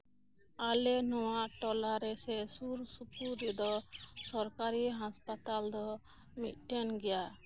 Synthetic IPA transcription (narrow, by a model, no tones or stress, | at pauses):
alɛnɔwaʔʈɔlaɾɛsɛsuɾsupuɾid̪ɔsɔɾkaɾiɦãspat̪ald̪ɔ | mḭt̪̚ʈɛnɡɛja